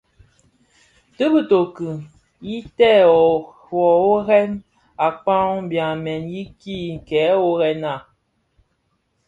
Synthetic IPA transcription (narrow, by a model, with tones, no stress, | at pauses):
tɨ˦bɨ˦to˨kɨ˨ | ji˦tɛ˦˨ɔ˨ | ɔ˨o˦ɣɛ˦n | a˨k͡pã˦m˦bjã˨mɛ˨nji˦ki˦˨kɛ˨˦o˦ɣɛ˦na˦˨